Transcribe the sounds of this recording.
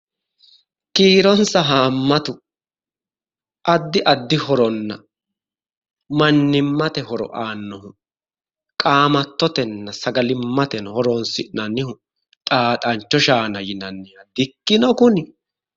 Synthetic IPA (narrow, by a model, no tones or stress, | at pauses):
kiːɾɔnsɐɦaːmːɐt̪ʊ | ʔɐd̪ːɪʔɐd̪ːɪhɔɾɔnːɐ̰ | mɐnːɪmːɐt̪ɛɦɔɾɔ̰ʔaːnːɔhʊ | kʼaːmɐt̪ːɔt̪ɛnːɐsɐɡɐlɪmːɐt̪ɛnhɔɾɔnsɪnɐnːɪhʊ | t̪ʼaːt̪ʼɐnt͡ʃːɔʃaːnɐjɪnɐnːɪjɐd̪ɪkːɪnɔkʊnɪ